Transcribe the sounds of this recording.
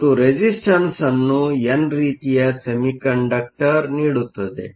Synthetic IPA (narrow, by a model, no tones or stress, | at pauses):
t̪uɾed͡ʑisʈənsanːũjanɾit̪ijasemikəɳɖak̚ʈəɾniɽut̪əsḛ